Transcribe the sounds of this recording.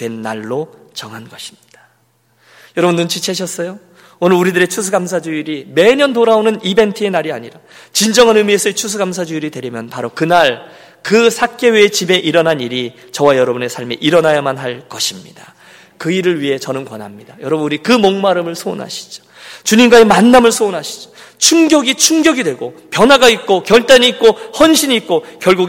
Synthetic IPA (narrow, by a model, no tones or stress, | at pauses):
twe̞nːaɭːo | t͡ɕʌŋɦanɡʌɕʰi̥mɲid̥ḁ | jʌɾʌbundunt͡ɕʰit͡ɕʰeɕ̬ʰʌs͈ʌjo | onɯɾuɾidɯɾe̞t͡ɕʰusʰuɡams̬ʰad͡ʑuiɾime̞ɲʌntoɾaonɯnibe̞ntʰɯe̞naɾiaɲiɾat͡ɕind͡ʑʌŋɯnɯmiesʰʌet͡ɕʰus̬ʰuɡamsʰad͡ʑuiɾidwe̞ɾimjʌnpaɾokɯnaɭ | kɯsʰak͈e̞wet͡ɕibe̞ʔiɾʌnɦaniɾi | t͡ɕʌwajʌɾʌbune̞sʰaɭmeʔiɾʌnajamanɦaɭkʌɕʰimɲḭda | kɯiɾɯɭɥiɦe̞t͡ɕʌnɯnkwʌnɦamɲid̥ajʌɾʌbɯnuɾikɯmoŋmaɾɯmɯɭsʰo̰nɦa̰ɕʰi̥d͡ʑo̥ | t͡ɕuɲimɡwaemanːamɯɭsʰonɦaɕʰi̥d͡ʑo̥ | t͡ɕʰuŋɡjʌɡit͡ɕʰuŋɡjʌɡidwe̞ɡopjʌnɦaɡait̚k͈okjʌɭt͈aniːk̚k͈ohʌnɕʰiɲiːt̚k͈okjʌɭɡuɡ